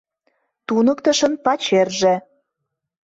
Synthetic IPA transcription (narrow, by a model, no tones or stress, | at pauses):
t̪unɤ̆kt̪əʃə̆npɑt͡ɕerʒĕ